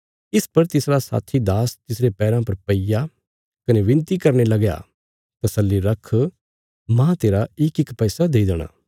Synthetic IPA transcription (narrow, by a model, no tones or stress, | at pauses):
ɪspɐɾt̪ɪsɾasa̰ːt̪ʰid̪aːst̪ɪsɾepɛːɾãpɐɾpɐija | kɐneʋɪ̃nt̪ikɐɾnelɐɡja̰ː | t̪ɐsəlːiɾɐkʰ | mãːt̪eːɾaɪkɪkpɛːsad̪eːid̪əɽ̃ã̰ː